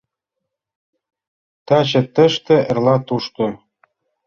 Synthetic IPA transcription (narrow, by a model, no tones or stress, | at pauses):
t̪ɑt͡ɕɘ̆t̪ə̆ʃt̪ĕʔɘ̆rlɑt̪uʃt̪o